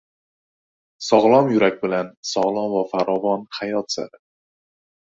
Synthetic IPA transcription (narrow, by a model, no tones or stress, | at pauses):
sɒʁlˠɒmjʊɾakʲbɪlansɒʁlˠɒmvafaɾɒvɒnhajɒt̪sa̰ɾɪ